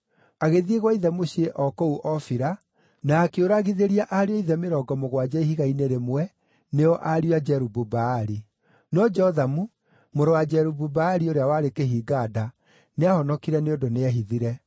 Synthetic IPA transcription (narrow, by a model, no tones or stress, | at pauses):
aɣeðieɣwaiðɛmoɕieʔɔkɔuʔɔfiɾa | naːkeoɾaɣiðeɾiaʔaɾeɔiðɛmeɾɔːɡɔmoɣwad͡ʑɛiɦiɣaineɾemwɛ | neɔʔaɾiwad͡ʒɛɾububaːɾi | nɔd͡ʒɛɔðamu | moɾowad͡ʒɛɾububaːɾioɾeawaɾekeɦiːɡaːda | neahɔnɔkiɾɛneodoneɛɦiðiɾɛ